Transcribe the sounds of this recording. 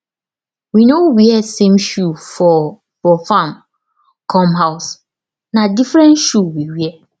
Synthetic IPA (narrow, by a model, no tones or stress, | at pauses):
winowiɛsẽmʃufɔ | fɔfãm | kʰɔ̃mɦaʊs | nadifɾɛ̃nʃuwiwiɛ